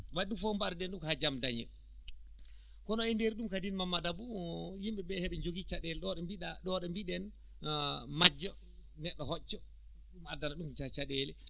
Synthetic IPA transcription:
waɗɗumfɔmbaɾɛɗɛnɗumkad͡ʒamdaɲɛ̰ | kɔnɔindeɾiɗumkadinmamːadabujimɓɛbɛhɛɓɛɲd͡ʒoɡit͡ʃaɗɛlɛɗɔɗmbiɗaɗɔɗɔmbiɗɛn | mad͡ʒːɔ | nɛɗːɔhɔt͡ʃːɔ | ɗumadanaɗumt͡ʃat͡ʃaɗɛlɛ

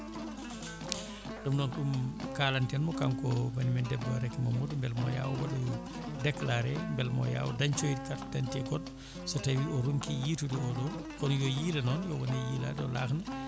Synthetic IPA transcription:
ɗumdɔnɗumkaːlantɛnmɔkamkɔbanimɛndɛbːɔaɾɛkːmɔmudmbɛlmɔ̰ja̰wwa̰lɔjɔ | dɛklaɾɛmbɛlmɔ̰ja̰wudaɲt͡ʃojidkatdantɛɡɔd̚ | sɔtawiʔɔɾuŋkijiːtudiɔlɔ | kɔnjɔjilɛnɔnjɔwɔnɛjiːla̰dɔla̰ːxna

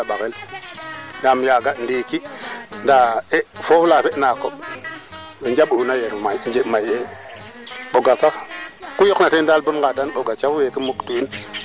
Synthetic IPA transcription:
aɓaɣel | ɡamjaɡandiːkindaefoflaːfeʔnako | wend͡ʒaɓunajeɾmajnd͡ʒemaje | ɓoɡatakujoknatendalbunɡadanɓoɡat͡ʃafwekimuktuin

